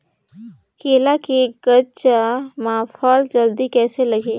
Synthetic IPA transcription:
keːlakeɡət͡ʃamaːfʰaːld͡ʒəld̪ikɛːselɐɡeː

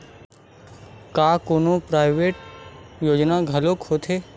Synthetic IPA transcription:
kaːkoːnopɾaːɪʋeːʈjoːd͡ʒnaɡʱɐloːkhoːt̪ʰɦeː

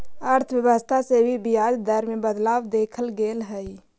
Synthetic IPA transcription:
əɾt̪ʰəwjəʋəst̪ʰasebʱibijaːd͡ʒ̪d̪əɾmẽbəd̪laːwd̪eːkʰəlɡeːlɦɛi

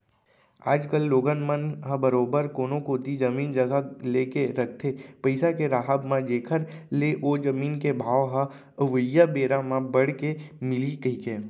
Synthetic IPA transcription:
a̰ːd͡ʒkəlːoːɡənmənɦãbəɾoːbəɾkoːnõkoːt̪id͡ʒəmiːnd͡ʒəɡaleːkeɾɐk̚ʰt̪ʰepəɪsakeɾaːɦəbmãd͡ʒeːkʰəɾleʔod͡ʒəmiːnkebʱaːʋɦa | əʋəjabeːɾamãbəɽ̤kemɪlikəɦikeː

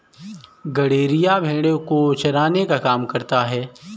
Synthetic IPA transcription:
ɡɐɽeːɾɪjabʱẽːɽekot͡ʃɐɾaːnekakaːmkɐɾt̪aɦɛː

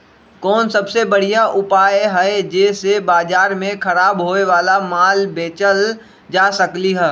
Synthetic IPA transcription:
kɔːnsɐbsebɐɽ̤ijaʔʊpaːjɦɛed͡ʒeːsebaːd͡ʒaːɾmẽkʰɐɾaːbɦoːeʋaːlamaːlbeːt͡ʃəl | d͡ʒaːsəkliɦɛː

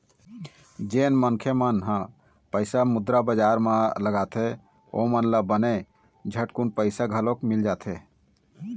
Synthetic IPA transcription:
d͡ʒenmənkʰemənɦã | pəɪsamud̪ɾabəd͡ʒaɾmãləɡat̪ʰe | o̰mənləbəne | d͡ʒʱəʈkunpəɪsaɡʱəlokmild͡ʒat̪ʰe

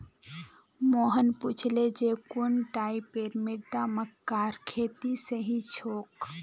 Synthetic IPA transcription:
moɦənput͡ʃʰled͡ʒekunʈaipeɾmiɾd̪aməkaɾkʰet̪isəɦĩt͡ʃʰoːk

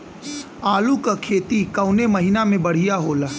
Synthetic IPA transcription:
aːlukakʰeːt̪ikɐʊnemɐɦɪnamẽbɐɽ̤ijaɦoːlaː

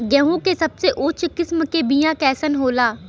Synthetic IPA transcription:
ɡɛɦõkesɐbseʔʊːt͡ʃʰkɪsmkebijãkɛːsənɦoːlaː

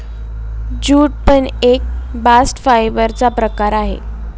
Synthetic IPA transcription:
d͡ʑuːʈ̚pəɳek̚basʈfajbəɾt͡sapɾəkaɾaɦḛ

